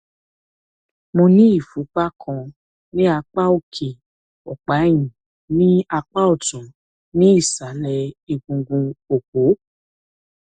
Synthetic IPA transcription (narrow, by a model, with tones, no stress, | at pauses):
mõ˧nĩ˦i˦˨fu˨˦k͡pa˦kʰɔ̃˧ | nĩ˦a˧k͡pa˦o˦˨kʰe˨ | ɔ˨k͡pa˨˦j̃ĩ˨ | nĩ˦a˧k͡pa˦o˦˨tũ˨˦ | nĩ˦i˦˨sa˨˦lɛ˧i˧ɡũ˧ɡũ˧o˨ko˨˦